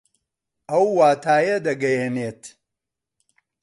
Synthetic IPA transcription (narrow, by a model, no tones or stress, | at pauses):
ʔɐwːaːt̪ʰaːjɐd̪ɐɡɐjeneːt̪